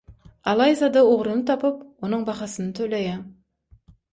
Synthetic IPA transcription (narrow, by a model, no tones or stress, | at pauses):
ɑlˠɑjzɑd̪əwoʁɾənət̪ʰɑpəp̚wo̞nəɴbɑχɑsənət̪ʰɵlæje